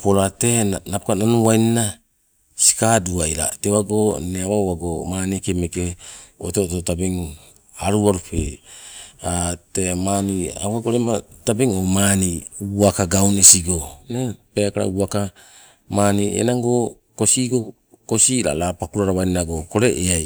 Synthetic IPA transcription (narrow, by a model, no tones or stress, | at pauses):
poɾatenapkananuwajnina | si̥kaduajɾa̰tewaɡoneawawaɡomaːnikemekeoto̞totabeŋ | aɾuaɾupḛ | atemania̰waɡoɾematabeŋomaniuakaɡawnesiɡo̞nepekaɾa̰uaka | maniḛnaŋɡo̞ | kosiɡo̞ | ko̞siɾa̰lapakuɾaɾawajninaɡoko̞ɾe̞ʔeaj